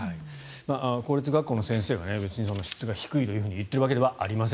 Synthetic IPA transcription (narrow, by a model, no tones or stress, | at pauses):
ai | maːʔako̞ːɾʲit͡sɨɡakːoːno̞sẽɰ̃se̞ːɡa̰ne̞be̞t͡sɨɲ̟iso̞no̞ɕi̥t͡sɨɡaçi̥kɯit̪o̞jɯ̟ɦɯ̟ːɲijɯ̟t̪ːe̞ɾɯ̟βake̞d̪e̞βaʔa̰ɾʲimas̬ẽ